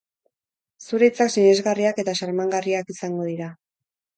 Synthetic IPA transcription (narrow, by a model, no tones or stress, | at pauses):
suɾet͡saksiɲe̞zɣariake̞t̪aʃaɾmaŋɡariakisaŋɡo̞ðiɾa